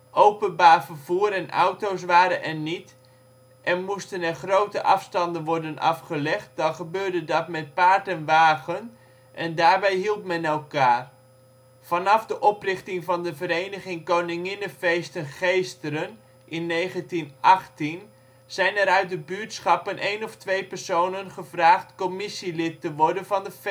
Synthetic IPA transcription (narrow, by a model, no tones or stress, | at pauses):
ʔowpənbaːrvərvuːɾɛnʔa̰wtows̬ʋaːɾənʔɛnit | ʔɛnmustənɛrχrowtəʔɑfstɑndənʋɔɹdənʔɑ̰fχəlɛχt̚dɑnχəbøːɹdədɑtmɛt̚paːɹtənʋaːɣən | ʔɛndaːɹbɛjɦilˠtmɛnɛlˠkaːr | v̥ɑnɑfdəʔɔprɪχtɪŋvɑndəvəɾejnəχɪŋkownɪŋɪnəfejstənχejstəɾən | ʔɪnːejχəntinʔɑχtin | z̥ɛjnɛɾœɥt̚dəbyɹtsχɑpənʔejnɔftʋejpɛɹsownənχəvraːχtkɔmɪsilɪtːəʋɔɹdənvɑndəf